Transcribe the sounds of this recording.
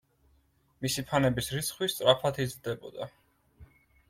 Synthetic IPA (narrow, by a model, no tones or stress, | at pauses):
misipʰanɛbisɾit̪sʰχwist̪sʼɾapʰat̪ʰizɾd̪ɛbɔ̰d̪a̰